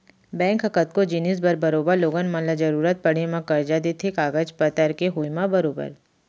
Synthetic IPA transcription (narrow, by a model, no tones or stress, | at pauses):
bɛ̃ːŋkɦɐkət̪̚kod͡ʒinisbɐɾbɐɾoːbəɾloːɡənmɐ̃lad͡ʒɐɾuːɾət̪̚pɐɽ̤emãkɐɾd͡ʒad̪et̪ʰikaːɡəd͡ʒpət̪əɾkeɦuːjmãbɐɾoːbə̰ɾ